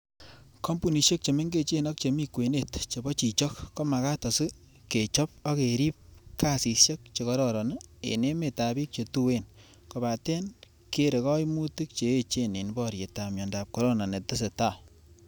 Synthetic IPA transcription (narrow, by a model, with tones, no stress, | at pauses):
kʰɔ˦mpu˨ni˨ʃe˦k̚t͡ʃe˨me˦ŋɡe˦t͡ʃe˦nɔ˦k̚t͡ʃe˨mi˦kwe˨ne˦tt͡ʃe˨bɔ˦t͡ʃi˨t͡ʃɔ˦kːo˦ma˨ka˦tɔ˨si˦ | ke˨t͡ʃɔ˦p̚ɔ˦ke˨ɾi˦p̚ka˦si˨sje˦k̚t͡ʃe˨kɔ˦ɾɔɾɔ˨nḛ˨ne˦me˨ta˨bi˦k̚t͡ʃe˨tu˦we˦n | ko˨ba˨te˦n | ke˦ɾe˨kɔ˦jmu˦ti˦k̚t͡ʃe˨e˦t͡ʃe˦ne˨nbɔ˦ɾje˨ta˨mjɔ˨nda˨p̚kɔ˨ɾo˦na˨ne˨tɪ˦s̬e˨ta˦˨